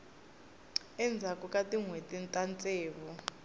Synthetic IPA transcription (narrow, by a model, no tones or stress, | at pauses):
ɛnd͡zʱakʼukʼatʼiŋwetʼintʼant͡sʼɛːβɔ